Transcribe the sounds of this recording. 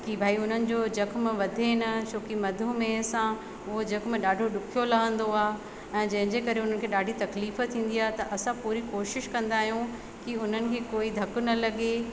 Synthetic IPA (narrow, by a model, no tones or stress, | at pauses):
kibʱaːiʊn̤ənɪ̆d͡ʑod͡ʑɐkmʋɐd̪ʱenɐt͡ɕʰoːkimɐd̪ʱũmẽsã | ʊɦod͡ʑɐkmɗaːɖʱoɗʊkʰijolɐɦə̃nd̪oaːɦ | ɛ̃ːd͡ʑɐ̃ɦɪ̃ɲd͡ʑekɐɾeʊn̤ənɪ̆kʰeːɗaːɖʱit̪ɐkliːft̪ʰĩːn̆d̪iaːɦet̪ɐʔɐsãpuːɾikoːʃɪʃkɐ̃nd̪aːɦijũ | kiʊn̤ənɪ̆kʰeːkoːid̪ʱɐkʊnɐlɐɠe